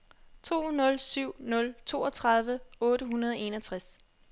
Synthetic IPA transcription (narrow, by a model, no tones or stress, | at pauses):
t͡sʰo̝̰ːnɔ̽lsyʊ̰nɔ̽lt͡sʰo̝̰ːɒ̽t͡sʰʁɑ̈ðˠʋəɔ̽ːɾəɦunɐð̞ˠɒe̝nɒt͡sʰʁas